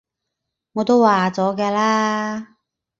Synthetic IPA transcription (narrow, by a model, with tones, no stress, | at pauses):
ŋɔː˨˧t̪o˥waː˨˩t͡sɔː˨˥kɛː˧laː˥